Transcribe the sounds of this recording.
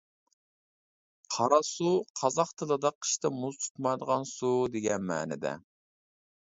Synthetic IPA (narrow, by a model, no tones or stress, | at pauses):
qʰɑɾɑsuqʰɑzɑχt̪ʰɨlˠɨd̪ɑqʰə̥ʃt̪ɨmuzt̪ʰu̥t̪mɑjd̪əʁɑnsud̪eɡʲɛnmæ̰ːnɪ̰d̪ɛ̰